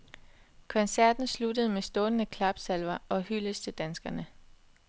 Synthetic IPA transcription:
kʰɒ̽nsæɐ̰d̥n̩slud̥əð̞̩ˠmesd̥ɔ̽ːnənəkʰlɑ̈b̥sælʋɐʔɒ̽hyləst͡sʰe̝d̥ænsɡ̥ɐnə

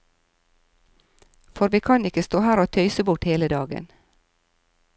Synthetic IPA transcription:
fɔɾʋiːkʰɑnɪkəst̪oːhæːɾoːt̪ʰœʏsəbʊʈheːləd̪ɑːɡə̰n

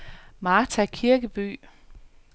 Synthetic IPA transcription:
mɑ̈ːt͡sʰækʰiɐɡ̥əb̥y̰ː

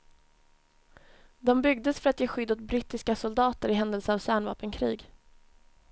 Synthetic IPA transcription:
d̪ɔmbʏɡ̚d̪əsfœɾat̪jeːɧʏd̪ːɔt̪bɾɪt̪ːɪskasʊld̪ɑːt̪əɾɪɦɛnd̪əlsəavsæːɳvɑ̰ːpənkʰɾiːɡ

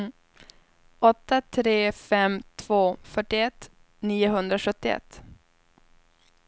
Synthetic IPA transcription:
ɔt̪ːat̪ʰɾeːfɛmt̪ʰv̥oːfœʈːɪɛt̪ː | niːʊɦɵnd̪ɾaɧɵt̪ːɪɛ̰t̪ː

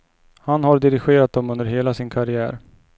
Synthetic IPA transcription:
hanhaɾɖɪɾɪɧeːɾat̪̚d̪ɔmɵnd̪əɾɦeːlasɪnkʰaɾɪæ̰ːɾ

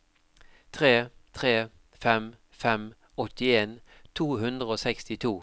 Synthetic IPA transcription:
t̪ʰʁeːt̪ʰʁeː | fɛm | fɛm | ɔt̪ɪeːn | t̪ʰuːɦʉnd̪ʁəoːsɛkst̪ɪt̪ʰuː

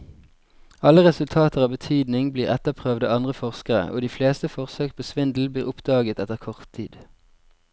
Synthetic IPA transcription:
ɑləʁɛsʉlt̪ʰɑːt̪əʁɑːʋbət̪ʰyːd̪nɪŋbliːʁɛt̪əpʰʁøːʋd̪əɑnd̪ʁəfɔʁskəʁə̰ʔo̰ːd̪iːfleːst̪əfɔʁsøːk̚pʰoːsʋɪnd̪l̩bliːʁʊpd̪̥ɑːɡət̪ɛt̪əʁkʰɔʁt̪ʰḭːd̪̥

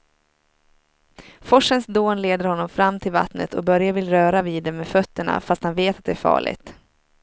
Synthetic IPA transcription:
fɔʂənsd̪oːnleːd̪əɾhɔnːɔmfɾamːt̪ʰɪlva̰t̪nə̰t̪ʰɔ̰kbœɾjavɪlɾœːɾaviːd̪ːɛmːeːfœt̪ːəɳa̰fast̪hanveːt̪at̪̚d̪ɛæɾfɑ̰ːɭɪ̰ɡt̪

